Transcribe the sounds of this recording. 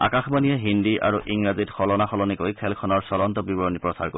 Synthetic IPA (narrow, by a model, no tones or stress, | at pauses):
a̰kaxbanijɛɦindiʔa̰ɹuʔiŋɹazitxɔlɔnaxɔlɔnikojkʰɛlkʰɔnɔɹsɔlɔntɔbibɔɹɔnipɹɔsaɹko